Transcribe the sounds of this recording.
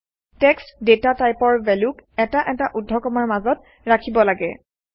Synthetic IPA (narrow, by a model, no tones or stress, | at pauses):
tɛkstdetatajpɔɹbɛlukɛtaʔɛtaʔudʱːɔkɔmaɹmazɔt | ɹakʰibɔlaɡɛ̰